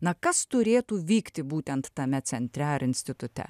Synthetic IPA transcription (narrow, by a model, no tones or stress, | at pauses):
nɐkɐst̪ʊɾʲeːt̪uːʋʲiːkt̪ʲɪbuːt̪ʲɛnt̪t̪ɐmʲɛsʲɛnʲt̪ʲɾʲɛɐɾɪnʲsʲt̪ʲɪt̪ʊt̪ʲɛ̰